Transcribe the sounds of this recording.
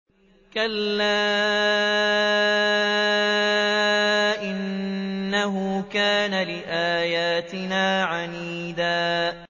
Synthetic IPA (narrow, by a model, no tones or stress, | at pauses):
kalːaː | ʔɪnː | aɦʊːkaːnalɪʔaːjaːt̪ɪnaːʕaniːd̪aː